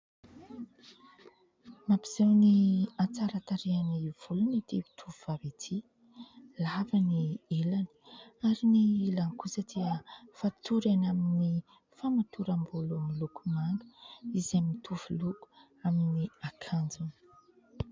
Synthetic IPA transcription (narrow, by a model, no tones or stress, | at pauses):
mapiz̥ewniat͡saɾat̪aɾeaniv̥ulunit̪ii̥t̪ʰuvuvavet̪ʰi | lavanielani̥aɾiniilankusəd̪iəfat̪uɾenamini | famat̪ʰuɾambulumilukumaŋɡə̥izamit̪ʰuv̥uluku̥ | aminiakʰand͡zunə̥